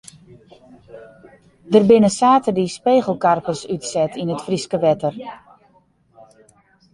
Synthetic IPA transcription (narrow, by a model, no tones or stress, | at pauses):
dərbɪnəsaːtədispeːɣəl̩ˠkarpəsytsɛtʰinətfriskəʋɛtər